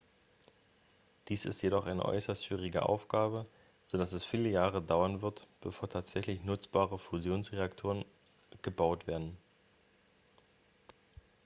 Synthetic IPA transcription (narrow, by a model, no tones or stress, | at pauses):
d̥iːsɪ̰stjedɔχʔaɪnə̰ʔɔ̰ʏsɐstʃv̥iːʁ̞ɪɡə̰ʔa̰ʊfɡ̥aːbə | z̥oːdasɛsfiːləjaːʁədaʊɐnvɪɐtb̥əfoːɐtʰaːtz̥ɛçlɪçnʊt͡sb̥aːʁəfuzjoːnsʁeaktʰoːʁən | ɡ̥əbaʊtv̥eːɐdn̩